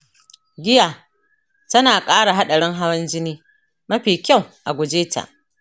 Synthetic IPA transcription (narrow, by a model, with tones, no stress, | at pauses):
ɡʲɪ˦ja˨ | tɐ˦naː˨kʼaː˦ɽa˨ɦa˦ɗɐ˨ɽɪ˦ŋɦa˦wɐ˦nd͡ʒɪ˦niː˦ | mɐ˦ɸiː˨kʲa˦˨wʔa˨ɡʷʊ˨d͡ʒeː˦ta̰˨ʔ